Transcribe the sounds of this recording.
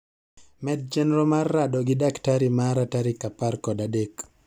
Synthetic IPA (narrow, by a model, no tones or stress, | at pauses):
mɛd̚d͡ʒɛnɛɾɔmarːadɔɡɪdaktaɾimaɾataɾikaparkɔdadek